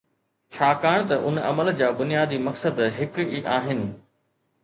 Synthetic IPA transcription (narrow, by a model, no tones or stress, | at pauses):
t͡ɕʰaːkaːɽ̃t̪ɐʔʊnɐ̰məld͡ʑaːbʊnijaːd̪imɐksəd̪ɦɪkiʔaːɦɪnɪ̆